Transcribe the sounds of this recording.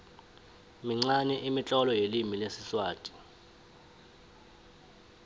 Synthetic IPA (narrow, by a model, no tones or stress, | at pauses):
miŋ͡ǀanɛʔimit͡ɬʼɔlɔjelimilesiswaːtʼi̥